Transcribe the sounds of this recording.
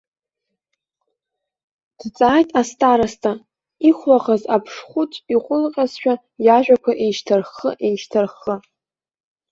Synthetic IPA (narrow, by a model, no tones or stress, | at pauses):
d̥t͡sʼaːjtʼastʼaɾastʰʼa | iχʷlaχazapʰʂχʷʊtʼiqʷʼʊlqʲʼazʃᶣa | jaʒᶣakʷʰaʔenʃtʰarχə̰ʔenʃtʰarχə